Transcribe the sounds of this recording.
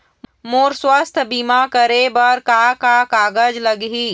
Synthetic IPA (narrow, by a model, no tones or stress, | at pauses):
moːɾswaːst̪ʰbiːmakəɾebəɾkakakaːɡəd͡ʒləɡɦiː